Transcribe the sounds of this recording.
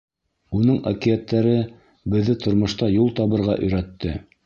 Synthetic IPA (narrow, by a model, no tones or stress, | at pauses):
unɤɴa̰kijæt̪ːæɾɘ | bɘ̆ðːɘt̪ŏɾmŏʃt̪ɑjulˠt̪ɑβɤ̆ɾʁɑʔɵ̆jɾæt̪ːɘ